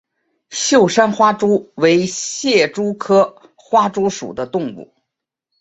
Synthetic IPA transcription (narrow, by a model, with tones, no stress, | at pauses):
ɕjo˥˩ʊʂa˥nxwa˥ʈ͡ʂu˥we˧˥ɪɕjɛ˥˩ʈ͡ʂu˥kʰɤ˥ | xwa˥ʈ͡ʂu˥ʂṵ˨˩d̪ə˦t̪ʊ˥˧ŋpṵ˥˩